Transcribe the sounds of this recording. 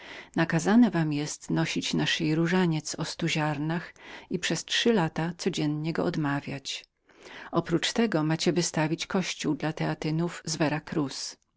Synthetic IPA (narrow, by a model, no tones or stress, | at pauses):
nakazanɛvamjɛst̪nɔɕit͡ɕnaʂɘjɾuʐaɲɛt̪sɔst̪uʑaɾnaxipʂɛstʂɘlat̪at̪sɔd͡ʑɛnɲɛɡɔ̰ʔɔd̪mavʲjat͡ɕ | ɔpɾut͡ʂt̪ɛɡɔmat͡ɕɛvɘst̪avʲit͡ɕkɔɕt͡ɕuwd̪lat̪ɛat̪ɘnuvzvɛɾakɾus